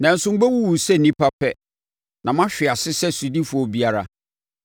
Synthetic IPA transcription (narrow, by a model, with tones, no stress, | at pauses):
nã˨n̩˨sʊ̃˦m̩˦bɛ˦wu˦wu˨sɛ˦˨nĩ˦pa˦pʰɛ˦ | nʔã˨mã˦ɕᶣɪ˨a˨sɪ˦sɛ˦su˨di˦fu˨˦ɔ˦bi˦a˦ɾa̰˨